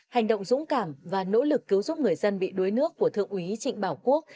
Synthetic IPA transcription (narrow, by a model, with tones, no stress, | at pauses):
ha˨˩jŋ̟ɗo̰˧˨wŋ͡mzʊ̰˧˥ŋ͡mkaː˧˩mvaː˨˩no̰˧˥lɨ˨˩kːi˨˦əwzʊ˦˥p̚ŋɨ˨˩əjzə˧nɓḭ˧˨ɗu˨˦jnɨ˦˥əkːu˧˩ət̪ʰɨ̰˧˨əŋʔwi˨˦t͡ɕḭ˧˨ŋ̟ɓaː˧˩wku˦˥ək̚